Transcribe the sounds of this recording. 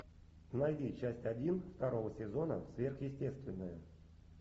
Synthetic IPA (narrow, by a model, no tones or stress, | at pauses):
najdʲit͡ɕæsʲtʲɐdʲinft̪ɐɾo̞vəsʲɪzo̞nə̰svʲe̞rxjɪsʲtʲe̞st̪vʲɪnːəjə